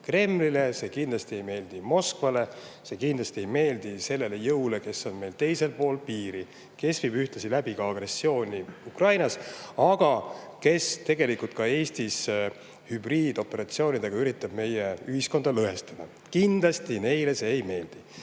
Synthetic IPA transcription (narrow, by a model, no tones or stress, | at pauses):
kre̞mlile̞se̞kind̪lɑst̪ie̞jme̞ːld̪̥imo̞skvɑle̞ | se̞kind̪lɑst̪ie̞jme̞ːld̪ise̞lːe̞le̞jɤwle̞ke̞so̞nme̞jlt̪e̞jse̞lpo̞ːlpiːɾi | ke̞svibyht̪esilæb̥ikɑɑɡ̥re̞sːio̞ːnʲiukrɑjnɑsɑɡ̥ɑke̞st̪e̞ɡ̥e̞likult̪̚kɑe̞ːst̪is | hybriːd̪̥o̞pːˑe̞ɾɑt̪sio̞ːnʲid̪eɡ̥ɑyɾit̪ːˑɑb̥me̞jeyhisko̞nd̪̥ɑlɤɦe̞st̪ɑd̪̥ɑ̰ | kind̪lɑst̪ine̞jle̞seːjme̞ːld̪̥i